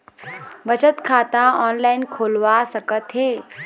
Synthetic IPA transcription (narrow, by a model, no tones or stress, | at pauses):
bət͡ʃət̪kʰaːt̪ãɔːnlaːɪnkʰoːlʋasɐkət̪ɦeː